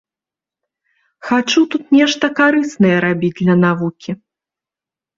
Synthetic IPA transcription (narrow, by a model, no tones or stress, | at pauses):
xat͡ʂut̪ut̪nʲɛʂt̪ɐkaɾɨsnɐjɛɾabʲid͡zʲdlʲɐnavukʲi